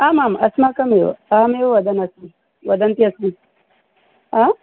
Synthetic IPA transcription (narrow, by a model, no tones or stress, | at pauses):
aːmamɐsmakɐmewo̰amewoʋɐd̪ɐnɐsi | ʋɐd̪ɐnt̪iɐsmi | a